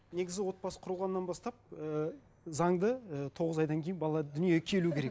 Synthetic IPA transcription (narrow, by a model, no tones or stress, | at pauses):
ne̞ɡʲɪzɪwo̞t̪̚bɑsə̥qʰʊɾəlˠʁɑnːɑnbɑst̪ɑp̚ə | zɑŋd̪əət̪ʰo̞ʁəzɑjd̪ɑŋkʲʰe̞jnbɑlˠɑd̪ʏnijekʲʰe̞lukʲʰe̞ɾek̚